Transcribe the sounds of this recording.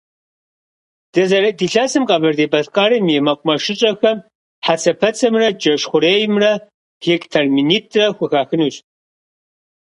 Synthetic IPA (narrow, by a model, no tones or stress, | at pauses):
d̥ɐzɐrdiːɬaːsɨmqʼɐbɐrdeːbɐɬqʼaːɾɨmjɛmɐqʷʼʊmɐʃɪɕʼɐxɐm | ħat͡sʰɐpʰɐt͡sʰɐmrɐd͡ʒɐʃχʷʊɾeːjɪmrɐ | hikʼtʰɐrminiːtʰrɐxʷʊxaːxɨnuɕ